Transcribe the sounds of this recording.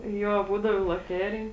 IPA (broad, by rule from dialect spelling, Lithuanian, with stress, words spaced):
ˈjoː ˈbuːdɐʋoː ɪ lˠoːˈtʲæːrʲɪj